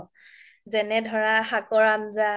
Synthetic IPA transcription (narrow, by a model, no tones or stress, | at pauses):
zɛnɛdʱɔɹaxakɔɹamza